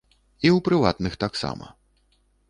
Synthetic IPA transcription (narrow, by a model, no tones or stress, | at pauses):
iwpɾɨva̰t̪nɨxt̪aksa̰mɐ̰